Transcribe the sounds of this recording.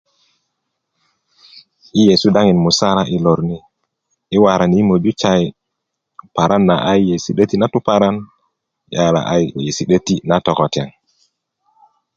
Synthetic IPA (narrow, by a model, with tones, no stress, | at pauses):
ʔi˦je˨su˦da˦ŋi˨nmu˨sa˦ɾa˦ʔi˨lo˨ɾniː˦ | wa˨ɾa˨ni˦mo˨d͡ʒu˦t͡ʃa˨j | pa˨ɾa˦nːa˨ʔa˦jje˨si˨ɗə˦ti˦na˦tu˦pa˨ɾa˦n | ja˨la̰˨ʔa˦jje˨si˨ɗə˦ti˦na˦tɔ˨kɔ˨ta̰˨ŋ